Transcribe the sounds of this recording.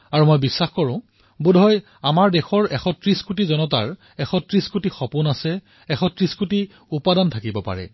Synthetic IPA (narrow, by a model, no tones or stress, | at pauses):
aɹumojbisːaxkɔɹʊ̃ | budʱɔj | amaɹdɛxɔɹɛxɔtɹiskutizɔnɔt̬a̰ɹ | ɛxɔtɹiskutixɔpunasɛ | ɛxɔtɹiskuti | upadantʰakibɔpa̰ɹɛ̰